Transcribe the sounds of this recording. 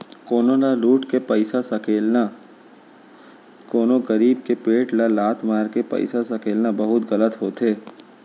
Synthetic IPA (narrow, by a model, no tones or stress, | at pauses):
koːnolaluːʈkepɐɪsasɐkeːlna | koːnoɡɐɾiːbkepeːʈlalaːt̪ʰmaːɾkepɐ̰ɪsasɐkeːlnabɐɦʊt̪ɣɐlət̪ɦoːt̪ɦeː